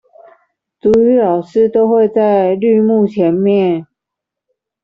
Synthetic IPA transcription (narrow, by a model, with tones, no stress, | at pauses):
t̪u˧˥y˧˥lɑ˨˩ʊʂɻ̩˥˧t̪o˥ʊxwe˥˧ɪt͡sa˥˧ɪly˥˧mu˥˩t͡ɕʰjɛ˧˥nmjɛ˥˨n